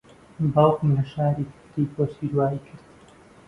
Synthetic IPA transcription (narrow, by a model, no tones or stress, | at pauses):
bɑlˠkmlɐʃaːɾiːkʰɨ̥ɾt̪iːpʰoːsiːɾwaːiːkʰɨɾd̪